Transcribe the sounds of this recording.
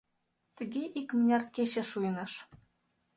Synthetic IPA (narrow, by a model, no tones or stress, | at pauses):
t̪ə̆ɣeʔikmənʲɑrkeɕĕʃujənəʃ